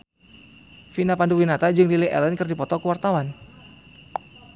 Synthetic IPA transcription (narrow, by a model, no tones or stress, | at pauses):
finapanduwinat̪ad͡ʒɨŋdiliʔɛ̰lɛnkɨrdipɔt̪ɔkəwart̪awan